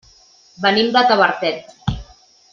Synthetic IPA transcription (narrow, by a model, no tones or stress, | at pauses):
bənimd̪ət̪əβəɾt̪ɛt̪